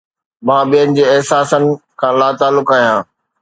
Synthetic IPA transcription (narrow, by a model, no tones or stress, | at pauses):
mãːɓijənɪ̆d͡ʑeːɛɦsaːsənɪ̆kʰãːlaːt̪aːlːʊkaːɦjãː